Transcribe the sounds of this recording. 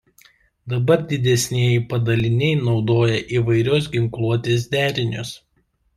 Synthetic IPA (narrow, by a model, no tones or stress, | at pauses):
d̪ɐbɐɾd̪ʲɪd̪ʲɛsʲnʲiɛjɪpɐd̪ɐlʲɪnʲɛɪnɒʊd̪oːjɛʔiʋɐɪɾʲoːs̬ɡʲɪŋklˠuɔt̪ʲeːs̬d̪ʲæːɾʲɪnʲʊs